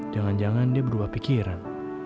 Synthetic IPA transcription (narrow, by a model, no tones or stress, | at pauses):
d͡ʒaŋand͡ʒaŋandiabəɾubahpikiɾan